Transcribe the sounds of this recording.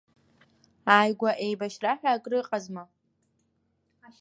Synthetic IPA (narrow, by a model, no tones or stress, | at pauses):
aːjɡʷaʔejbaʃraħᶣaːkʼrɨqʼazma